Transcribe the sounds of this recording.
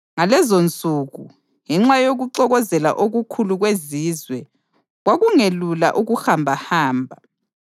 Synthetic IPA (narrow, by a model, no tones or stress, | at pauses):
ŋalɛzont͡sʼuːɣṵ | ŋɛŋ͡ǁajoɣuǃɔɣɔzɛla̰ʔoɣukʰuluɣwezizwɛ | ɣwaɣuŋelula̰ʔuɣuxambʱahaːmbʱa